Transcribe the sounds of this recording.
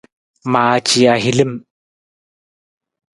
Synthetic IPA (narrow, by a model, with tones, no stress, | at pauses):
ma˨t͡ʃi˨a˨ɦi˨li˦m